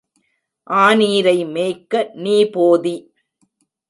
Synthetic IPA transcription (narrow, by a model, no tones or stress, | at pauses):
ʔaːniːɾɐɪmeːkːɐniːpoːði